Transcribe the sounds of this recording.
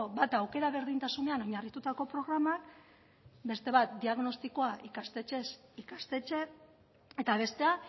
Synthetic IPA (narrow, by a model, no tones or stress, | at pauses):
bat̪awke̞ɾaβ̞e̞ɾðint̪asune̞anoɲarit̪ut̪ako̞pɾo̞ɣ̞ɾamak | be̞st̪e̞βat̪̚d̪iaɣno̞st̪iko̞aʔikast̪e̞t͡ʃe̞sikast̪e̞t͡ʃe̞ | e̞t̪aβ̞e̞st̪e̞a